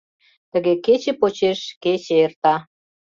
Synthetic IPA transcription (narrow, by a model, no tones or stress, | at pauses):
t̪ə̆ɣeket͡ɕĕpot͡ɕeʃket͡ɕeert̪ɑ